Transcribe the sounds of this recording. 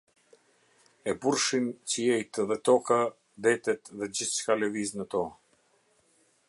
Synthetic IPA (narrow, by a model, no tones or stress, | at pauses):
ɛbuɾʃint͡ɕəjɛjt̪ɛðɛt̪ɔka | d̪ɛt̪ɛt̪ðɛd͡ʑiθt͡ʃkalɛviznət̪ɔ